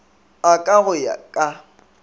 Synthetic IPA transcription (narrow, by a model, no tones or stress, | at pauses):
akʼaɣʊja̰kʼa